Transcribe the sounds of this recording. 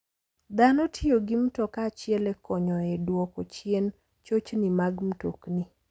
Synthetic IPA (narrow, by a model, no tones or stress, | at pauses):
d̪anɔtʰɪoɡimtɔkat͡ʃɪɛlɛkɔɲɔɛdwɔkɔt͡ʃɪen | t͡ʃot͡ʃnimaɡm̩tokni